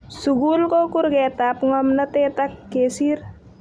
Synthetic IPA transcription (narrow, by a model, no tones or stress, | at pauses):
suɡulkokuɾɡɛt̪apŋɔmnɐt̪etakːesir